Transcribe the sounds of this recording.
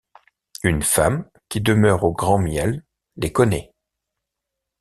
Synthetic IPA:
ynfam | kʲid̪əmœʁoɡʁɑ̃mjɛlː | ekɔnɛ

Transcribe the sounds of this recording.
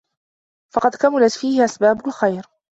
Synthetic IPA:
fɑqɑd̪kamalat̪fiːhɪʔasbaːbʊlxajɾ

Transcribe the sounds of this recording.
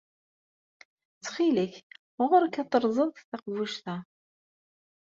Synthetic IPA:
t͡sːχiləç | ʁʊɾkɑt̪ˤəɾˤzˤəðˤθɑqvuʃθæ

